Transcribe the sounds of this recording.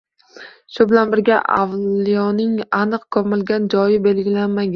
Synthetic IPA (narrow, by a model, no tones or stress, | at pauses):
ʃʊbɪlanbɪɾɡʲaʔa̰vlijɒnɪŋanɨqkʰɒmɪlɡʲand͡ʒɒjɪbe̞lɡʲɪlanmaɡʲ